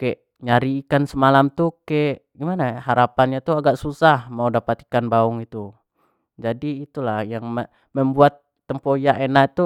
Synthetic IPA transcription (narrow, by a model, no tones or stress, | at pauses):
keʔ | ɲaɾiːkansəmalamt̪ukeʔɡimanahaɾapanɲat̪uaɡaʔsusahmaudapat̪i̥kanbaʊŋit̪u | d͡ʒadiːt̪ulahjaŋmə | məmbuat̪ːəmpojaʔenat̪u